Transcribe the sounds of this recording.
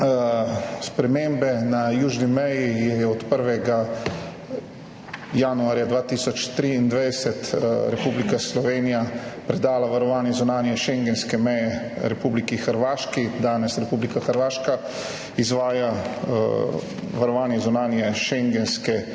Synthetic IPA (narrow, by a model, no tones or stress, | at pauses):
spɾɛmeːmbɛnajuːʒnimɛjijɛjɛɔt̪pəɾʋɛɡa | januaːɾjad̪ʋaːt̪iːsɔt͡ʃt̪ɾiːnd̪ʋɛjsɛt̪ɾɛpuːblikaslɔʋeːnijapɾɛd̪aːlaʋaɾɔʋaːnjɛzunaːnjɛʃɛŋɡɛnskɛmɛjɛɾɛpuːblikixəɾʋaːʃkid̪aːnɛsɾɛpublikaxəɾʋaːʃka | izʋaːja | ʋaɾɔʋaːnjɛzunaːnjɛʃɛŋɡɛnskɛ